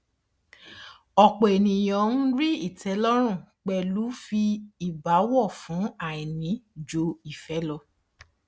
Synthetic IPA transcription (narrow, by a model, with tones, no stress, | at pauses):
ɔ˨k͡po˨e˨nĩ˨j̃ɔ̃˨n̩˦ɾi˦i˦˨tɛ˨˦lɔ˦ɾ̃ũ˦˨k͡pɛ˧˨lu˨˦fi˧i˦˨ba˨˦wɔ˦˨fũ˨˦a˦˨i˨nĩ˨˦d͡ʒo˧˦i˦˨fɛ˨˦lɔ˧